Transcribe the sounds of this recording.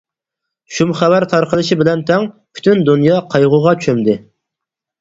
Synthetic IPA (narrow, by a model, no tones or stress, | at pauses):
ʃumχævæɾt̪ʰɑɾqəlˠɨʃibɪlɛnt̪ʰɛŋpʰy̥t̪ynd̪unjɑqʰɑjʁʊʁɑt͡ʃʰy̥ʃʰymd̪ɪ